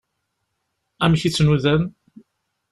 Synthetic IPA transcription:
æmçit͡sːnuðæn

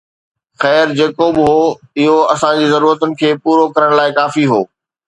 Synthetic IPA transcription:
xɛːɾd͡ʑeːkobɪɦoː | ɪɦoɐsãd͡ʑiːzɐɾuːɾət̪ʊnɪ̆kʰeːpuːɾokɐɾəɽ̃laːɪkaːfiɦoː

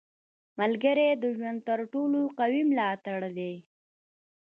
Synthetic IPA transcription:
malɡəɾed̪əʒwand̪̚t̪əɾʈoloqawimlɑt̪aɽd̪e

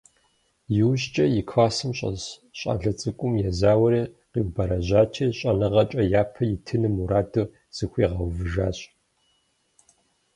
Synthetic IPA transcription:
jɪwɕt͡ʃʼɐjɪkʰwaːsɨmɕʼɐ̰zɕʼa̰ːɮɐt͡sʼɨkʷʼʊmjɛzaːwɐɾiː | qiwbɐɾɐʑaːt͡ʃʰiːɕʼɐnɨʁɐt͡ʃʼɐjaːpʰɐjɪtʰɨnɨmuɾaːdɨ | z̥ɨxʷiːʁɐwvɨʒaːɕʼ

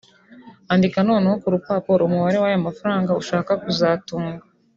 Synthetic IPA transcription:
andikano̞ːnehokuɾupaːpoɾumuβaɾe̞wajamafaɾaːŋɡauʃaːkakuzaːtuːŋɡa

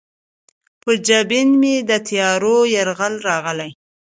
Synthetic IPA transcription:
pəd͡ʒabɪnmed̪ət̪ijɑɾojaɾɣalɾɑɣəlaj

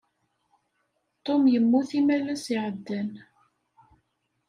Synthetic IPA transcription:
t̪ˤomjəmːuθimælæsiʕəd̪ːæn

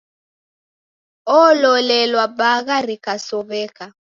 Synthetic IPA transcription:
ɔːlɔlɛlwabaɣaɾikasɔβɛka

